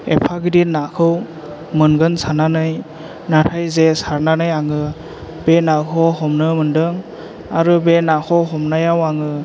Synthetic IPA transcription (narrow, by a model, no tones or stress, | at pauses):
ḛpʰaɡidinakʰɯw | mɯnɡɯnsananɯj | natʰajzesaɾnanɯjaŋɯ | b̥enakʰɔɦɔmnɯmɯndɯŋ | aɾɯbenakʰɔɦɔmnajawaŋɯ